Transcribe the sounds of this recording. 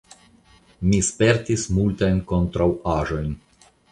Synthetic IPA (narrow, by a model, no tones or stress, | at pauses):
mispe̞ɾtismultajnko̞ntɾawaʒo̞jn